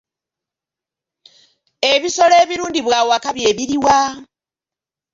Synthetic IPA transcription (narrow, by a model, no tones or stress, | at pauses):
e̞βiso̞le̞ːβiɾuːndiβwaːwakaβje̞ːβiɾiwa